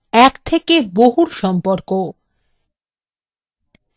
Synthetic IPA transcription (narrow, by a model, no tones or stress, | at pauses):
ɛkt̪ʰekeboɦuɾʃɔmpoɾko